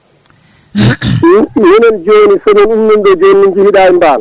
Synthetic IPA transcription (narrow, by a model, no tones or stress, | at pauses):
hinand͡ʒoːnisɔnɔnumːinɗɔd͡ʒonːind͡ʒihiɗaːimbaːl